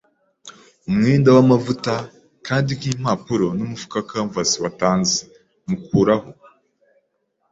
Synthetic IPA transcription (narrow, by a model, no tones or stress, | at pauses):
umŋeːndawamavuta | kaːndikiːm̥apuɾo̞numufu̥kakaɱvasiwataːnze̥ | mukuːɾaho